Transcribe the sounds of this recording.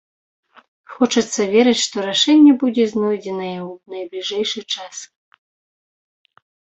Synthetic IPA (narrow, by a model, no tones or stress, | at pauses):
xɔt͡ʂɐt̪sːɐvʲɛɾɨt͡sʲʂt̪ɔɾaʂɛnʲːɛbud͡zʲɛznɔjd͡zʲɛnɐjɛwunɐjblʲiʐɛjʂɨt͡ʂas